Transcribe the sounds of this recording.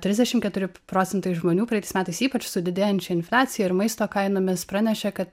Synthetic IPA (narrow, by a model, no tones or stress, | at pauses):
tʲɾʲɪzʲd̪ʲɛʃʲɪmkʲɛt̪ʊɾʲɪpɾoːt̪t͡sʲɛnt̪ɐɪʒmoːnʲuːpɾɐɛt̪ɐɪsmʲæːt̪ɐɪsiːpɐt͡ʃsʊd̪ʲɪd̪ʲeːjɛnʲt͡ʃʲɛɪnfʲlʲæːt͡s̪ʲɪjɛɪɾmɐɪst̪oːkɐɪnoːmʲɪspɾɑnʲɛʃʲɛkɐt̪